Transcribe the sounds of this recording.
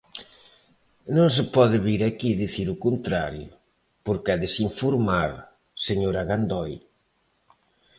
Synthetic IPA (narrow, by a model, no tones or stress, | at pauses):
nõŋs̬ɪpɔðɪβiɾakiðiθiɾʊkont̪ɾa̰ɾjʊ̰ | poɾkɛðesiɱfoɾmaɾ | seɲoɾaɣand̪ɔj